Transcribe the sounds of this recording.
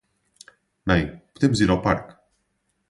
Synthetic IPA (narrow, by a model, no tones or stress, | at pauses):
najpu̥t̪ɛmziɾapa̰ɾk